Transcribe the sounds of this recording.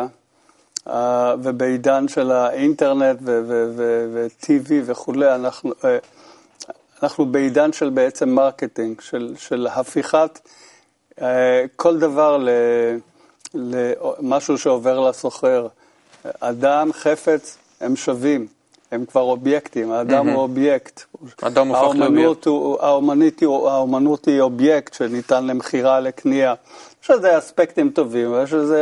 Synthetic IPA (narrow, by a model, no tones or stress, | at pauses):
avebeidanʃelaʔinteʁne̞tvevevevet̪ʰiviveχule̞janaχnu | anaχnubeidanʃelbeet͡se̞mːaʁket̪iŋɡʃelʃelhafiχat̪ | kʰo̞ld̪avaʁle | lemaʃuʃeo̞ve̞ʁlaso̞χeʁ | ad̪amχe̞fe̞t͡s | emʃavim | hemkvaʁo̞bjekt̪imaːd̪amhuobjekt̪dahaomanut̪uaomanit̪iaomanut̪hiobjektʃenit̪anlemeχiʁalekniajeʃezeaspekt̪imt̪o̞vimvjeʃ̬eze